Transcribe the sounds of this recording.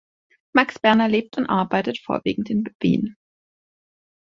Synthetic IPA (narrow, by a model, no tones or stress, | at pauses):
maksb̥ɛɐnɐleːp̚tʰʊntʔaɐbaɪtətfo̰ːɐvḭːɡŋ̩tɪnv̥ḭːn